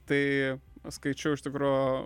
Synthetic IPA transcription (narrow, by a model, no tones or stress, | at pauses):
t̪ɐɪskɐɪt͡ʃʲɛʊɪʃt̪ʲɪkɾoː